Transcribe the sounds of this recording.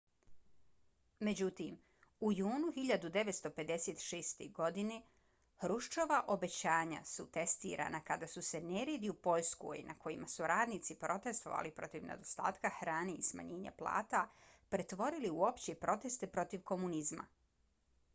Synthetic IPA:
me̞d͡ʑut̪im | ujuːnuxiʎad̪ud̪e̞ʋet̪st̪o̞pe̞d̪e̞seːt̪ʃeːst̪eɡo̞d̪ine | hɾuʃt͡ʃoʋaʔo̞be̞t͡ɕaːɲa̰sut̪e̞st̪ḭːɾa̰ːnakad̪asuseneɾed̪iupo̞ʎskṵḭnako̞imasuɾaːd̪nit̪sipɾo̞t̪e̞st̪o̞̰ʋa̰lipɾo̞t̪iʋnḛd̪o̞st̪a̰ːt̪kaxɾaːneisma̰ɲeːɲa̰plˠa̰ːt̪apɾe̞t̪ʋo̞ɾiliuo̞pt͡ɕepɾo̞t̪e̞st̪epɾo̞t̪iʋko̞munizma̰

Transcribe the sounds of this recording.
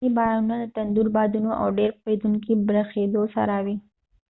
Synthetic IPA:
ibɑɾɑnunalət̪and̪uɾbɑd̪unoʔa̰wɖeɾed̪uŋkibɾaxed̪osa̰ɾawi

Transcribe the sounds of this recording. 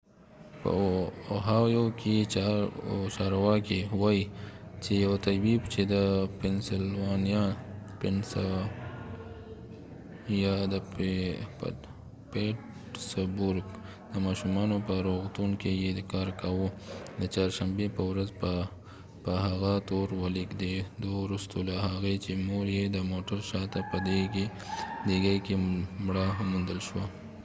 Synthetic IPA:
p | ɦajokit͡ʃː | t͡ʃaːɾwakewait͡ʃejawt̪ɐbibt͡ʃed̪əpɛnsɪlwaːnijapɪns | jad̪ə | peʈ | sbʊɾk | d̪̥əmɑʃumɑnopəɾoɣt̪unkejed̪kɑɾkawod̪ət͡ʃɑɾʃambepəwɾaz | pəɦaɣat̪oɾwalikd̪ed̪owɾust̪olaɦaɣet͡ʃemoɾjed̪əmoʈaɾʃɑt̪apəd̪eke | d̪eɡajkemɽaɦmːund̪əlʃwa

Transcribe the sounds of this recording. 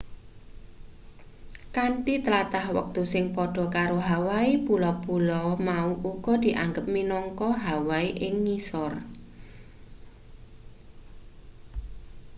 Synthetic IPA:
kaɳʈit̪əlat̪ahwə̰k̚t̪usɪŋpɔɖ̥ɔ̤kaɾoɦawaipulɔpulɔmauʔuɡ̥ɔ̤d̪̥i̤ʔaŋɡəp̚minɔŋkɔɦawaiʔɪŋːisɔr

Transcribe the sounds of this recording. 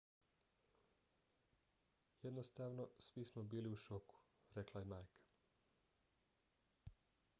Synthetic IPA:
jed̪nost̪aːʋno̞sʋismobiːliuʃoku̥ | ɾeklˠajemajkʰḁ

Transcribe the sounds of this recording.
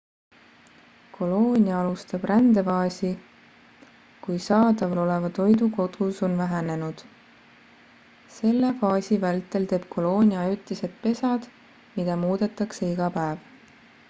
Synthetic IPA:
kʰo̞lo̞ːnʲiɑɑlust̪ɑb̥rænd̪̥e̞vɑːsʲi | kujsɑːd̪ɑvɑlo̞le̞vɑt̪o̞jd̪uko̞d̪̥uso̞nvæɦæne̞nud̪̥ | se̞lːefɑːsʲivælt̪ːˑe̞lt̪e̞ːb̥̚kʰo̞lo̞ːnʲiɑɑjut̪ˑːiset̪̚pe̞sɑd̪̥ | mid̪̥ɑmuːd̪̥e̞t̪ːˑɑkseiɡ̥ɑpæev

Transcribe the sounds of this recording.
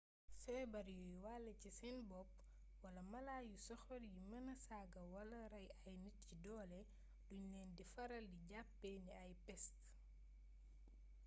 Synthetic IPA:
sɛːbɐɾjujwalɛcisɛnbɔp̚ | wɐlɐmɐlaːjusɔxɔɾjimɐnɐsaɡɐwɐlɐɾɐjɐjnit̚cidɔːlɛ | duɲnɛːndifɐɾɐldiɟapːɛniɐjpɛst

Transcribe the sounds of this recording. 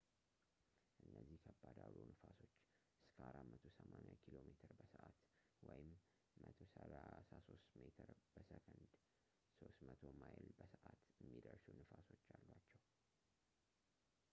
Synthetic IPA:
ʔɨnːəzːihkʰəbːad̪alonɨfaso̞t͡ʃː | ʔɨskʰəʔaɾamət̪ʰosəmanʲakʰilo̞met̪ʰɨɾbəsəʔat̪ | wɔjɪmː | ət̪ʰosəlasaso̞st̪met̪ʰɨɾb̥əsəkʰɨnd̪ | so̞st̪mət̪ʰo̞majlbəsəʔat̪jɛmːid̪əɾsunɨfaso̞t͡ʃːalːwat͡ʃːɛw

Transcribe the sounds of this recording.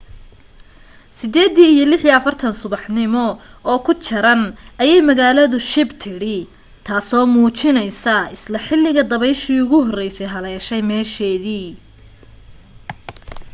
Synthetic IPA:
sɪd̪ɛːd̪iːijɔlɪħjɐɐfɐrt̪ʰɐnsʊβɑħnɪmɔɔːkʰʊt͡ʃʰɐɾɐnɐjɛjmɐɣaːlɐðʊʃɪbt̪ʰɪɽɪ | t̪ʰaːsɔːmuːt͡ʃɪnɛjsɐɪslɐħɪlːɪɣɐd̪ɐβɛjʃiːʊɣʊɦɔrɛjsɛjɦɐlɛːʃɛjmɛːʃɛːðiː

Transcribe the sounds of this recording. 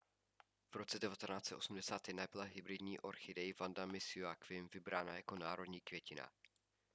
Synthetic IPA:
v̥ɾo̞t͡sɛdɛvat̪ɛnaːt͡sɛt̪ʔo̞̰sumdɛsaːt̪jɛdnabɪlaɦɪbɾɪdɲiːʔoɾxɪdɛjvandamɪsuakvɪmvɪbɾaːna̰jako̞naːɾo̞dɲiːkvjɛcɪna̰

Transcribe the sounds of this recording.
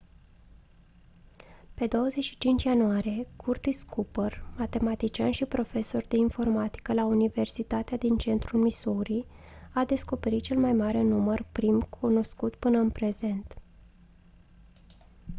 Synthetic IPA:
pe̞d̪o̞wəzeʃi̥t͡ʃint͡ʃjanuaɾije̞kʰurt̪iskupərmat̪e̞mat̪it͡ʃianʃipɾo̞fe̞so̞rd̪e̞info̞rmat̪i̥kəlaunive̞rsit̪at̪ead̪int͡ʃe̞nt̪ɾulmisoɾi | ad̪e̞sko̞pe̞ɾit̪̚t͡ʃe̞lmajmaɾe̞numərpɾimkʰuno̞skut̪pɨnəɨnpɾe̞ze̞nt̪

